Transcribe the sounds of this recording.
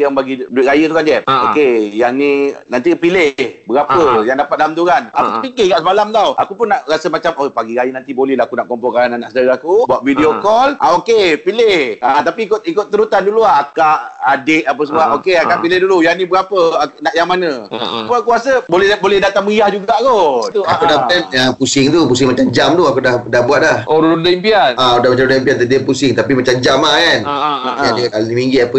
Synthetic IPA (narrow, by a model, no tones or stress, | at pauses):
jaŋbaɡiduɪt̪ʔ̚ɾajət̪ukand͡ʒaokejaŋnĩnãnt̪ipilɪhbəɣapəjaŋdapat̪̚dalamt̪uɾana̰kut̪upikɪɡaʔsəmalamt̪awʔakupʊnːaʔɾasəmat͡ʃamopaɡiɾajənãnt̪ibolɛhlaɦakunaʔkɔmpɔŋkaananaʔsədaɾaakubuaʔ̪̚vidiokɔlʔaokepilɪhʔat̪apiːkʊt̪ikʊt̪ːəɾut̪anduluaakaʔadɪʔapəs̬əmuaʔokeakaʔpilɪhdulujanibəɡapəanaʔjaŋmanə̃pəkuasəbolɛbolɛhdat̪aŋməijahd͡ʒuɡaʔkot̪uakudaanapusɪŋt̪upus̬ɪŋmat͡ʃamd͡ʒamt̪uakudahdahbuat̪̚lahʔoɾuudaimpianaudahmat͡ʃamdaimpiant̪ədiapusɪŋt̪apimat͡ʃamd͡ʒamakanʔadit̪alnimiŋɡiapə